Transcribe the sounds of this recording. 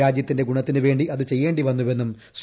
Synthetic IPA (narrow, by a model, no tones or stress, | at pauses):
aːd͡ʑjɐt̪ːinde̞ɡuɳɐt̪ːinɨʋe̞ːɳɖiʔɐðɨt͡ɕe̞jːe̞ːɳɖiʋɐnːuʋe̞nːum | s